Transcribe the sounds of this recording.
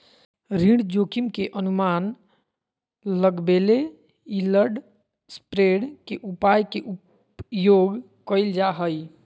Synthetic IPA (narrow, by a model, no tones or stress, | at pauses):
ɾiɽd͡ʒokimkeʔənuman | ləɡbele | iləɾɖ | spɾeɽkeʔupajkeʔup | joɡ | kəɪld͡ʒaɦəj